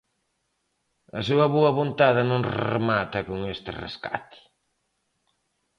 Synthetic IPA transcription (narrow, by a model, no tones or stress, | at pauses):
ɐsuɐβoɐβont̪aðɪnõŋrḛmat̪ɐkoŋest̪ɪ̰rḛska̰t̪ɪ̥